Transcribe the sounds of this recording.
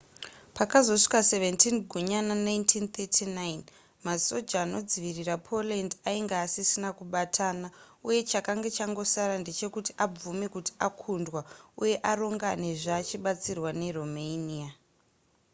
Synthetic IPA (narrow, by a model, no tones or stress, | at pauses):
pakazo̞ʂi̥kase̞ve̞ntinɡʱuɲananajntʰint̪etʰinajn | maso̞d͡ʒaːno̞d͡ziʋirirapʰo̞lendaiŋɡaːsisinakuɓatʰaːna | uje̞t͡ʃakaŋɡat͡ʃaŋɡo̞saɾande̞t͡ʃe̞kuti̥ʔab͡vumekuti̥akʰundwauje̞ʔaro̞ŋɡane̞ʐaːt͡ʃiɓat͡sirwane̞romeniːa